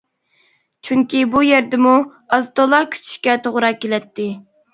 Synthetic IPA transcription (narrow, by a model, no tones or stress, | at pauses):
t͡ʃʰyŋkʲibujɛɾd̪ɪmu | ɑzt̪olˠɑkʲʰy̥t͡ʃ̪ʰy̥ʃkʲɛt̪ʰoʁɾɑkʲelɛt̪ʰːɪ